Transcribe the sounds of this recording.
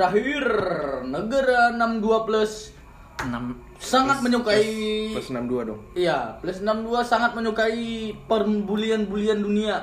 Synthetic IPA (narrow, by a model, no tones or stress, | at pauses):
ɾaɦirnəɡaɾaənamduapləs | nam | saŋat̪̚məɲokailasnamduadɔ̰ŋijapləsənamduasaŋat̪̚məɲukaipərbulianbuliandunia